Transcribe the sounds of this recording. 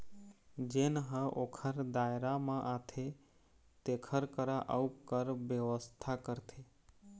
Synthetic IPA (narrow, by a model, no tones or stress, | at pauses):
d͡ʒenəɦə̃ʔokʰəɾd̪aeɾamãʔat̪ʰe | t̪ekʰəɾkəɾaʔəukəɾʋjəʋəst̪ʰakəɾt̪ʰe